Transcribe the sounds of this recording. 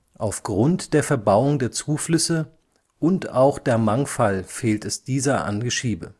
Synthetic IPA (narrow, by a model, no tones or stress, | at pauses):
ʔaʊfɡ̥ʁʊntd̥eːɐfɛɐbaʊʊŋdeːɐt͡suːflʏsə | ʔʊntaʊxd̥eːɐmaŋfalfeːltɛsd̥iːzɐʔa̰nɡəʃiːbə